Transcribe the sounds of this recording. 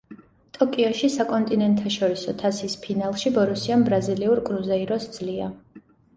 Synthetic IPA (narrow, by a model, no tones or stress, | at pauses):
t̪ʼɔkʼiɔʃisakʼɔnt̪ʼinɛnt̪ʰaʃɔɾisɔt̪ʰasispʰinalˠʃibɔɾusianbɾaziliuɾkʼɾuzɛiɾɔsd̪z̥lia̰